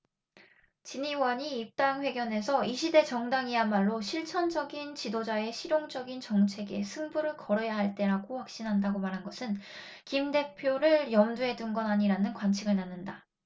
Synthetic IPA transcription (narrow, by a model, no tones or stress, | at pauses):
t͡ɕiɲiwʌɲiːp̚t͈aŋɸwe̞ɡjʌne̞sʰʌiɕʰide̞t͡ɕʌŋdaŋiamaɭːoɕʰiɭt͡ɕʰʌnd͡ʑʌɡint͡ɕidod͡ʑae̞ɕʰiɾjoŋd͡ʑʌɡint͡ɕʌŋt͡ɕʰe̞ɡe̞sʰɯŋbuɾɯɭkʌɾʌjaɦaɭt͈e̞ɾaɡoɸwak̚ɕ͈inɦandaɡomaɾɦanɡʌsʰɯn | kimde̞pʰjoɾɯɭjʌmduɦe̞dunɡʌnaɲiɾanɯnkwant͡ɕʰiɡɯɭnanːɯnda